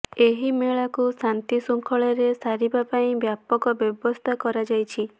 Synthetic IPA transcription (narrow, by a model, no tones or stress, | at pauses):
eɦimeɭakusant̪isuŋkʰɔɭɔɾesaɾibapaĩbjapɔkɔbjɔbɔst̪ʰakɔɾad͡ʒajt͡ʃʰi